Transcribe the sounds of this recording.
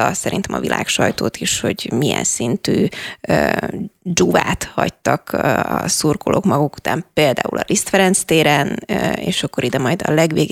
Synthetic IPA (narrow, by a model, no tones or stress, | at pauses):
ɒsɛɾint̪ɛmɒvilʔaːkʃɒjt̪oːt̪iʃho̞ɟmijɛ̰nsint̪yːøːd͡ʒuvaːt̪hɒct̪ɒkɒsurkolʔoːkmɒɡuku̥t̪aːmpeːld̪a̰ːulɒlʔist̪fɛɾɛnst̪eːɾɛneːʃɒkːoɾid̪ɛmɒjd̪ɒlɛɡʋeːɡ